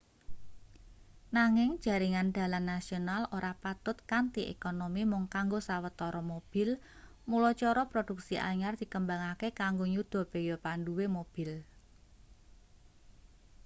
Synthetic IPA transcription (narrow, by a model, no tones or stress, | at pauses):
naŋɪŋ̥ʒ̥ä̤ɾiŋand̪̥ä̤lanːasionaloɾapat̪ʊt̪̚kant̪iʔḛkonomimʊŋkaŋɡosawət̪ɔɾɔmob̥ɪ̤l | mulɔt͡ʃɔɾɔpɾod̥ṳk̚siʔa̰ɲard̪̥i̤kəmbaŋakekaŋɡoɲud̪̥ɔ̤pejɔpanduwemob̥ɪ̤l